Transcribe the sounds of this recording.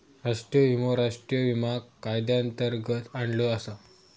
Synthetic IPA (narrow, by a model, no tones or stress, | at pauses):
ɾaʂʈɾijəɦumoɾaʂʈɾijəʋimaɡkːajd̪jãnt̪əɾɡət̪aɳɖləasa